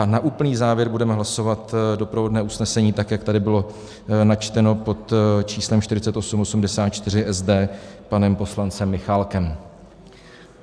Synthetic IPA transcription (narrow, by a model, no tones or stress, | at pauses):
naʔuːpl̩niːzaːvjɛɾbudɛmɛɦlaso̞vat̪do̞pɾovo̞dnɛːusnɛsɛɲiːt̪akjakt̪adɪbɪlo̞ | nat͡ʃt̪ɛno̞po̞t̪t͡ʃiːslɛmʃt̪ɪɾɪt͡sɛt̪ʔo̞sumosumdɛsaːt̪̚t͡ʃt̪ɪr̝ɪʔɛzdɛːpanɛmpo̞slant͡sɛmːɪxaːlkɛm